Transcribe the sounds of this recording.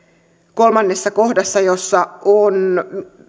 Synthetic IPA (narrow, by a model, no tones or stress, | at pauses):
ko̞lmɑnːesːɑko̞hdɑsːɑjo̞sːɑon